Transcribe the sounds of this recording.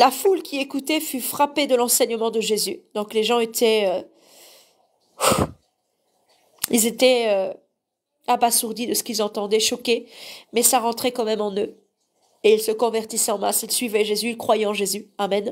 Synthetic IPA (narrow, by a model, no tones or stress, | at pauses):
lafulkʲiekut̪ɛfyfχaped̪əlɑ̃sɛɲəmɑ̃d̪əʒezyd̪̥ɔ̃kleʒɑ̃et̪ʰɛø | u | ilzet̪ɛø | abasuʁd̪id̪əsə̥kilzɑ̃t̪ɑ̃d̪ɛʃɔkemɛsaʁɑ̃t̪χɛkɑ̃mɛmɑ̃nø | eilsəkɔ̃vɛʁt̪isɛɑ̃masilsɥivɛʒezyilkχwajɛɑ̃ʒezyamɛn